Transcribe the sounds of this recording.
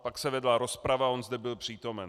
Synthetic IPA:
paksɛvɛdlaɾo̞spɾavaʔo̞nzd̪ɛbɪlpr̝̥iːt̪o̞mɛn

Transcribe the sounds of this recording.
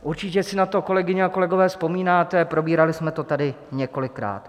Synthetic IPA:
ʔuɾt͡ʃɪcɛsɪnat̪o̞ko̞lɛɡɪɲɛako̞lɛɡo̞vɛːspo̞miːnaːt̪ɛpɾo̞biːɾalɪsmɛt̪o̞t̪adɪ | ɲɛko̞lɪkɾa̰ːt̪

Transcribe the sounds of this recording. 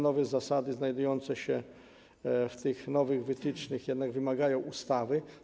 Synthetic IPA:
nɔvɛzasad̪ɘznajd̪ujɔnt̪sɛɕɛ | ft̪ɘxnɔvɘɣvɘt̪ɘt͡ʂnɘxjɛd̪naɡvɘmaɡajɔ̃w̃ust̪avɘ

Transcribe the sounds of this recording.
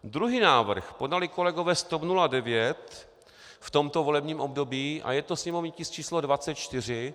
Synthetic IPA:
d̪ɾuɦiːnaːvr̩xpo̞dalɪko̞lɛɡo̞vɛːst̪opnuladɛvjɛt̪ | ft̪o̞mt̪o̞vo̞lɛbɲiːmʔo̞bdo̞biːʔa̰jɛt̪osɲɛmo̞vɲicɪst͡ʃiːslodvatt͡sɛt̪̚t͡ʃt̪ɪr̝ɪ

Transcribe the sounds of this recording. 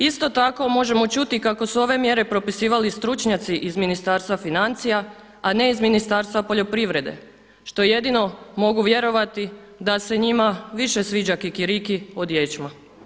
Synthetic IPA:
ist̪o̞t̪ako̞mo̞ʒe̞mo̞t͡ʃut̪ikako̞suo̞ʋe̞mje̞ɾe̞pɾo̞pisiːʋalist̪ɾut͡ʃɲat̪siʔizminist̪aːɾst̪ʋafinant̪sija | ane̞izminist̪aːɾst̪ʋapo̞ʎo̞pɾiʋɾe̞d̪ḛ | ʃt̪o̞je̞d̪ino̞mo̞ɡuʋje̞ɾo̞ʋat̪i | d̪ase̞ɲimaʋiʃe̞sʋiːd͡ʒakikiɾikiod̪je̞t͡ʃma

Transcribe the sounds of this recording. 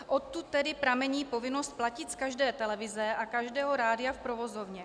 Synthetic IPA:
ʔot̪ːut̪ːɛdɪpɾamɛɲiːpo̞vɪnost̪̚placɪt̪skaʒdɛːt̪ɛlɛvɪzɛakaʒdɛːɦoɾaːdɪafpɾovozovɲɛ

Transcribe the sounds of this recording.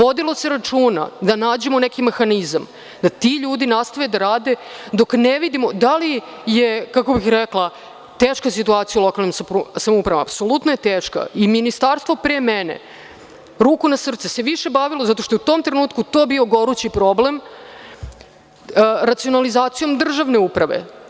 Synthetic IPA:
ʋo̞d̪ilˠo̞se̞ɾat͡ʂuːna̰d̪anaːd͡ʑe̞monekime̞xanizam | d̪at̪iʎuːd̪inast̪aʋed̪aɾaːd̪e̞d̪o̞kneʋid̪imo̞d̪ali | jekako̞bixɾɛklˠa | t̪eːʃkasit̪uaːt̪sijulo̞kalnimssamoupɾaʋama̰psolut̪noje̞t̪eːʃka̰iminist̪aɾst̪vʋo̞pɾemenḛ | ɾuːkunasr̩t̪seseʋiʃe̞baʋilˠo̞zat̪o̞ʃt̪ojut̪o̞ːmt̪ɾenuːt̪̚kut̪o̞ːbioɡo̞ɾut͡ɕipɾo̞blem | ɾat̪sio̞nalizaːt̪sijo̞md̪r̩ʒaʋne̞upɾaʋḛ

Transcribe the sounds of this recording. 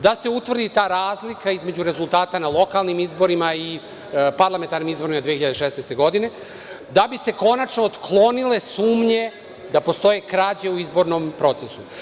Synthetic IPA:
d̪ase̞ut̪vrd̪it̪aːɾaːzlikaizme̞d͡ʑuɾe̞zulˠt̪aːt̪analo̞kalˠnimizbo̞ɾimai | paɾlˠament̪aɾnimizbo̞ɾimad̪ʋieiʎad̪eʃesnest̪e̞ɡo̞d̪ine̞ | d̪abise̞ko̞nat͡ʃnoːt̪klˠo̞nile̞suːmɲe̞ | d̪apo̞st̪o̞je̞kɾaːd͡ʑeuizbo̞ɾno̞mpɾo̞t̪sesu

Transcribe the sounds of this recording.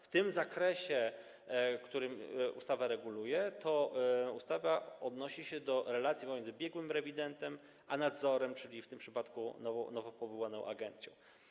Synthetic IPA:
ft̪ɘmzakɾɛɕɛ | kt̪uɾɘmʔṵst̪avaɾɛɡulujɛt̪ʰɔust̪avaɔd̪nɔɕiɕɛd̪ɔɾɛlat̪sʲjipɔmʲɛnd̪ɘbʲjɛɡwɘmɾɛvʲid̪ɛnt̪ɛm | ʔanad̪zɔɾɛmt͡ʂɘlʲift̪ɘmpʂɘpat̪kṵnɔ̰nɔvɔpɔvɔwanɔ̃w̃ʔa̰ɡɛnt̪sʲjɔ̰̃w̃

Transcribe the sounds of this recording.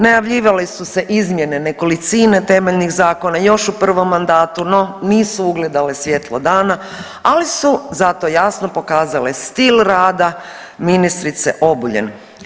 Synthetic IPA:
najaʋʎiːʋalesuse̞ʔizmje̞ne̞ne̞ko̞lit̪siːne̞t̪e̞meʎnixzaːko̞najo̞ʃupr̩ʋo̞mːand̪aːt̪uno̞niːsuuɡle̞d̪alesʋje̞t̪lˠod̪aːna | alisuzat̪o̞jasno̞po̞kaːzalest̪ilɾaːd̪a | minist̪ɾit̪se̞̰ʔo̞buʎḛn

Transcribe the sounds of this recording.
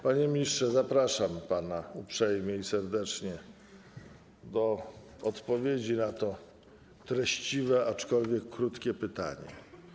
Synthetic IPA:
paɲɛmʲɲistʂɛzapɾaʂampanaupʂɛjmʲjɛisɛɾd̪ɛt͡ʂɲɛ | d̪ɔ | ɔt̪pɔvʲjed͡ʑinat̪ɔ | t̪ɾɛɕt͡ɕivɛat͡ʂkɔlvʲjɛkːɾut̪kʲɛpɘt̪a̰ɲɛ̰

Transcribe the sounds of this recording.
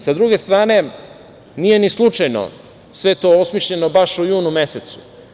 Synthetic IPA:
sad̪ɾuɡe̞st̪ɾaːne̞ | nije̞nislˠut͡ʂajno̰ | sʋe̞t̪oosmiʃʎe̞nobaʃujuːnume̞set̪su̥

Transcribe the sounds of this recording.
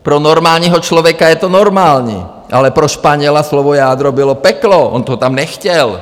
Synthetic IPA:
pɾɔnɔɾmaːlɲiɦɔt͡ʃlɔʋɛkajɛt̪ɔnɔɾmaːlɲḭ | ʔalɛpɾɔʃpaɲɪɛlaslɔʋɔjaːd̪ɾɔbilɔpɛklɔʔɔ̰nt̪ɔɔt̪amnɛxcɛl

